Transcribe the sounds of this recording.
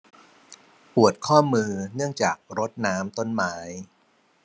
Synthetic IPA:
pu˨˩ət̪̚kʰɔː˥˩mɯː˧nɯ˥˩əŋt͡ɕaː˨˩k̚ɾo˦˥t̪̚naː˦˥mt̪o˥˩nmaː˦˥j

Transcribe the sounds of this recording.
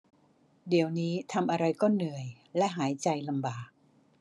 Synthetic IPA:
di˩˦əwniː˦˥t̪ʰa˧mʔa˧ɾa˧jkɔː˥˩nːɯ˨˩əj | lɛ˦˥ʔɦaː˩˦jt͡ɕa˧jla˧mbaː˨˩k̚

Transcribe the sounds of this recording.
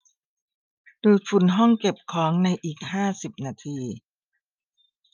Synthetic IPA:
duː˧˩fu˨˩nɦɔ˥˩ŋke˨˩p̚kʰɔː˩˦ŋna˧jʔiː˨˩k̚haː˥˩si˨˩p̚naː˧t̪ʰiː˧

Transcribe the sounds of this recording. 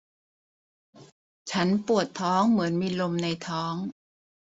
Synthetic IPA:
t͡ɕʰa˦˥npu˨˩ət̪ʰːɔː˦˥ŋmɯ˩˦ənmiː˧lo˧mna˧jt̪ʰɔː˦˥ŋ

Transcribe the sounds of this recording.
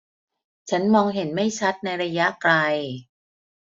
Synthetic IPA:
t͡ɕʰa˦˥nmɔː˧ŋɦe˩˦nma˥˩jt͡ɕʰa˦˥t̪̚na˧jɾa˧ja˦˥ʔkla˧j

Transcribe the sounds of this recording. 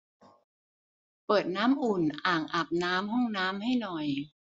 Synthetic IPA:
pɤː˨˩t̪̚naː˦˥mʔu˨˩nʔaː˨˩ŋʔa˨˩p̚naː˦˥mɦɔ˥˩ŋnaː˦˥mha˥˩jnɔ˨˩j

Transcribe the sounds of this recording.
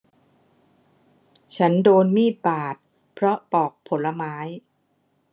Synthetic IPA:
t͡ɕʰa˦˥ndoː˧nmiː˥˩t̪̚paː˨˩t̪̚ | pʰɾɔ˦˥pɔː˨˩k̚pʰo˩˦nla˧maː˦˥j

